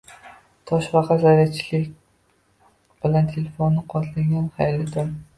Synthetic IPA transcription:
t̪ʰɒʃvɑqɑzaɾat͡ʃʰɪlɪkʲ | b̥ɪlant̪ʰelefonːɨqʰɒt̪ʰlɪŋʲanχajlɪd̪ɪm

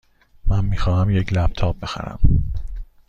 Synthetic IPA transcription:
mænmiːxɒːɦæmjecʰlæb̥̚t̪ʰɒːb̚be̞xæ̰ɾæ̰m

